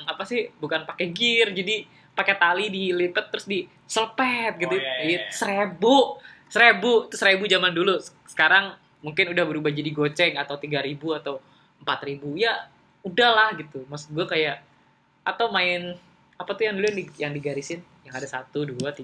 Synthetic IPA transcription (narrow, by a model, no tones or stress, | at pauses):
ŋapasɪhbukanpakɛɡɪrd͡ʒadi | pakɛt̪alidilip̪ət̪ːəɾʊsdi | sələpɛt̪̚ɡit̪usəɾebusəɾebut̪ʊsəɾebud͡ʒamandulus | sə̥kaɾaŋ | muŋkɪnudahbəɾubahd͡ʒadiɡot͡ʃɛŋat̪awt̪iɡaɾibuat̪aw | əmpat̪ribuja | udahlahɡit̪umasʊ̥ɡuakajaʔ | at̪awmaɪn | apat̪ujaŋdulujaŋdijaŋdiɡaɾisɪn | jaŋadasat̪uduat̪i